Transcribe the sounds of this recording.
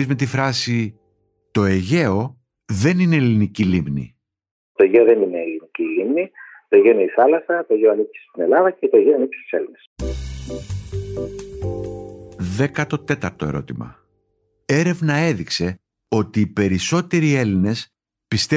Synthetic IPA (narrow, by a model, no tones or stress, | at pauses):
izmet̪iθɾɐsi | t̪o̞e̞ʝe̞o̞ | ðe̞nine̞ːlinicilimnḭ | t̪o̞eʝeoðenine̞ːlinicilimni | t̪oeʝeineiθɐlɐsɐt̪oeʝeoɐnipci̥se̥st̪ine̞lɐðɐcet̪oeʝeoinipe̥st̪i̥se̞lines | ðe̞kɐt̪o̞t̪e̞t̪ɐɾt̪o̞e̞ɾo̞̰t̪imɐ̰ | e̞ɾe̞vnɐe̞ðikse̞ | o̞t̪iːpe̞ɾiso̞t̪e̞ɾie̞line̞s | pist̪e